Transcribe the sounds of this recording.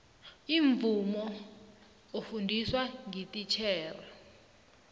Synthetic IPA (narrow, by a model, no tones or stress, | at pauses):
iɱvumɔ | ofundʱiswaŋitʼit͡ʃʰɛːra